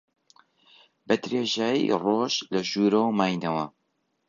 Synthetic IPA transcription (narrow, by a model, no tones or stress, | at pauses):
bɐd̪ɾeːʒaːjḭroːʃlɐʒuːɾɐwmaːjnɐwɐ